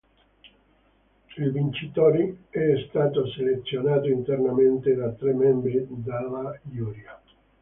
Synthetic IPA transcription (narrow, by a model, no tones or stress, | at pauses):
ilvint͡ʃit̪oːɾeɛst̪aːt̪oselet̪sːjonaːt̪oint̪ernament̪ed̪at̪ɾemːɛmbɾid̪alajuːɾja